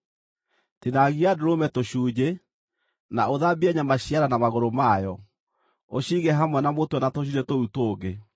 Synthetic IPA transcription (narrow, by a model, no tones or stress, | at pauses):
tenaɣiadoɾomɛtoɕuːd͡ʑe | naoðabiaɲamaɕiaɾanamaɣoɾomajɔ | oɕiɣɛɦamwɛnamotwɛnatoɕ̬iɾɛtoutoːɡe